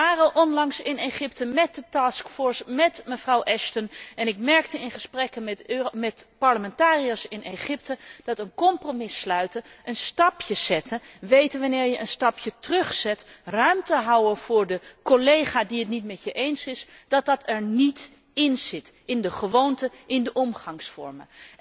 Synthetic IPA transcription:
aːrəʔɔnlɑŋsɪneχɪptəmɛt̚dətaːskfɔːɹsmɛtməvrɑwʔɛʃtənɛnɪkmɛɹk̚təɪnχəsprɛkənmɛtpɑɹləmɛntaːriasɪnejχɪp̚təd̥ɑtənkɔmpromɪslœɥtəʔənstɑpjəz̥ɛtʰəʋejtəʋɑnɪːɹjəʔənstɑpʰjətrɵχsɛtrœɥmtəɦʌwəv̥ʊːɹdəkɔlejχaːdiətnitmɛtjəʔejnsɪsd̥ɑt̚dɑtʰɛɹnit | ɪnz̥ɪtɪndəχəʋowntəʔɪndəʔɔmχɑŋsfɔ̰ɹmə

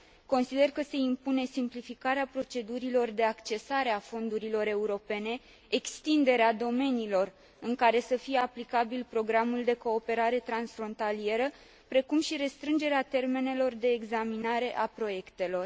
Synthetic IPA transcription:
ko̞nsid̪e̞rkəse̞impune̞simplifikaɾeapɾo̞t͡ʃe̞d̪uɾilo̞rd̪eakt͡ʃe̞saɾeafo̞nd̪uɾilo̞ɾe̞uɾo̞pe̞ne̞ː | kst̪ind̪e̞ɾead̪o̞me̞nilo̞r | ɨŋkaɾe̞səfijeaplikabilpɾo̞ɡɾamuld̪e̞ko̞ːpe̞ɾaɾe̞t̪ɾansfɾo̞nt̪alie̞ɾə | pɾe̞kumʃiɾe̞st̪ɾɨnd͡ʒe̞ɾeat̪e̞rme̞ne̞lo̞rd̪e̞ːɡzaminaɾe̞ʔapɾo̞je̞kt̪e̞lo̞r

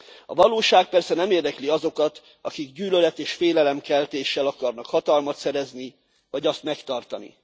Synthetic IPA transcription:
ɒ̰vɒloːʃaːk̚pɛrsɛnɛmeːrd̪ɛkliɒzo̞kɒt̪ | ɒkiɡɟyːlølɛt̪eːʃfeːlɛlɛmkɛlt̪eːʃːɛlɒkɒrnɒkhɒt̪ɒlmɒt̪sɛɾɛzni | vɒɟɒst̪mɛkt̪ɒrt̪ɒnḭ

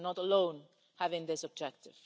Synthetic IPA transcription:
nɔtəlõʊ̃n | hævɪ̃ŋðɪsɔb̚d͡ʒɛk̚tɪv̥

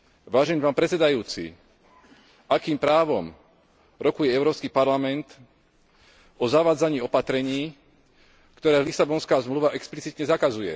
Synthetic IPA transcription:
ʋaːʒɛnipaːmpɾɛt͡sɛd̪ajuːt͡sḭ | akiːmpɾaːʋɔm | ɾɔkujɛɛʊɾɔːpskipaɾlamɛnt̪ | ɔzaʋaːd͡zaɲiːɔpat̪ɾɛɲiː | kt̪ɔɾɛːlisabɔnskaːzmluʋaʔɛksplit͡sit̪ɲɛzakazujɛ̰

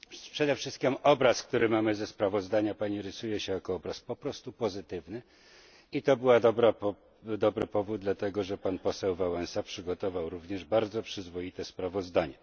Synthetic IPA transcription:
pʂɛd̪ɛfʂɘst̪̚kʲimɔbɾaskt̪uɾɘmamɘzɛspɾavɔzd̪aɲapaɲiɾɘsujɛɕɛjakɔɔbɾaspɔpɾɔst̪upɔzɘt̪ɘvnɘ | it̪ɔbɘwad̪ɔbɾa | d̪ɔbɾɘpɔvud̪̚d̪lat̪ɛɡɔʐɛpanpɔsɛwvawɛnsapʂɘɡɔt̪ɔvawɾuvɲɛʐbaɾd̪zɔpʂɘzvɔjit̪ɛspɾavɔzd̪aɲɛ

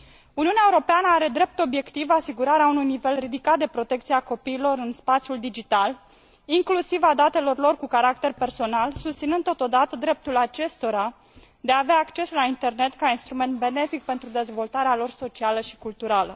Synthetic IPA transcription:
uniuneaeuɾo̞peanəaɾe̞d̪ɾe̞p̚t̪o̞bje̞kt̪ivasiɡuɾaɾeaunujnive̞lrid̪ikat̪̚d̪e̞pɾo̞t̪e̞kt̪sieako̞piːlo̞ɾɨnspat̪sʲjuld̪id͡ʒit̪al | iŋklusivad̪at̪e̞lo̞rlo̞rkukaɾak̚t̪e̞rpe̞rso̞nalsust̪sinɨnd̪t̪ːot̪o̞d̪at̪əd̪ɾe̞p̚t̪ulat͡ʃe̞st̪o̞ɾa | d̪eaːveaːkt͡ʃe̞slaint̪e̞rne̞t̪kainst̪ɾume̞nt̪̚be̞ne̞fik̚pe̞nt̪ɾud̪e̞zvo̞lt̪aɾealo̞rso̞t͡ʃialəʃi̥kult̪uɾalə

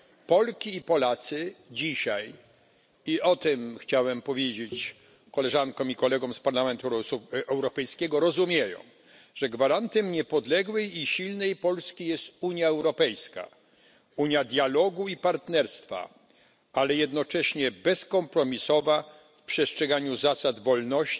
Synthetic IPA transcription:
pɔlkʲiːpɔlat̪sɘd͡ʑiɕaj | iɔt̪ɛmxt͡ɕawɛmpɔvʲjed͡ʑet͡ɕ | kɔlɛʐankɔ̃mikɔlɛɡɔ̃w̃mspaɾlamɛnt̪uɛwɾɔpɛjskʲɛɡɔɾɔzumʲjejɔ̰̃w̃ | ʐɛɡvaɾant̪ɛmɲɛpɔd̪lɛɡwɛjiɕilnɛjpɔlskʲijɛst̪uɲjaɛwɾɔpɛjska̰ | uɲjad̪ʲjalɔɡuipaɾt̪nɛɾst̪fa̰ | alɛjɛd̪nɔt͡ʂɛɕɲɛbɛskɔmpɾɔmʲisɔva | fpʂɛstʂɛɡaɲuzasad̪vɔlnɔɕ

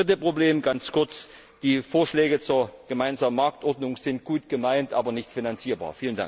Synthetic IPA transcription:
ɪt̬əpʁ̥obleːmɡant͡skʰʊɐt͡s | d̥iːfoːɐʃlɛːɡət͡suːɐɡ̥əmaɪnzaːmənmaɐk̚tʔɔɐdnʊŋz̥ɪnt̚ɡ̥uːtɡ̥əmaɪntʔaːbɐnɪçtfinant͡siːɐba̰ːɐfiːlənda̰ŋ

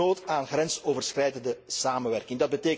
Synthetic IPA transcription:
oːtaːnɣrɛnsoːvərsxrɛjdəndəsaːmənʋɛrkɪŋdɑd̚bəteː

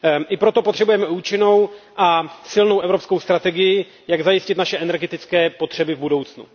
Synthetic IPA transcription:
ʔɪpɾot̪o̞pt̪r̥ɛbujɛmɛuːt͡ʃɪno̞wʔasɪlnowʔɛvɾo̞psko̞wst̪ɾat̪ɛɡɪjɪ | jaɡzajɪscɪt̪naʃɛɛnɛɾɡɛt̪ɪt͡skɛːpo̞t̪r̝̥ɛbɪvbudo̞wt͡snṵ

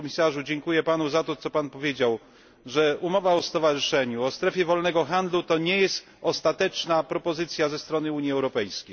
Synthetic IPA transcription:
mʲisaʐud͡ʑɛŋkujɛpanuzat̪ɔt̪sɔpanpɔvʲjed͡ʑaw | ʐɛumɔvaɔst̪ɔvaʐɨʂɛɲuɔst̪ɾɛfʲjɛvɔlnɛɡɔxand̪lut̪ɔɲɛjɛst̪ | ɔst̪at̪ɛt͡ʂnapɾɔpɔzɘt̪sʲjazɛst̪ɾɔnɘuɲjiɛwɾɔpɛjskʲej

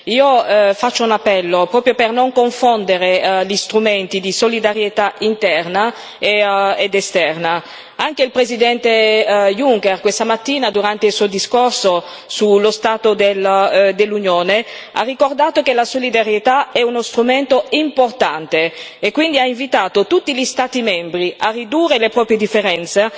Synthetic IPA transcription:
iːofat͡ʃːounapːɛlːopɾɔːpɾjopernoŋkoɱfond̪eɾeʎist̪ɾument̪id̪isolid̪aɾjet̪aint̪ɛrna | eed̪est̪ɛrna | aŋk̟eilpɾezid̪ɛnt̪ejuŋkerkwest̪amat̪ːiːnad̪uɾant̪eilsuod̪iskorso | sulːost̪aːt̪od̪eld̪elːunjoːne | a̰rːikord̪aːt̪ok̟elasolid̪aɾjet̪aɛunost̪ɾument̪oimport̪ant̪eːkːwind̪iaiɱvit̪aːt̪ot̪ut̪ːiʎist̪aːt̪imɛmbɾiʔarːid̪uːrelepɾɔːpɾjed̪ifːeɾɛnt̪se

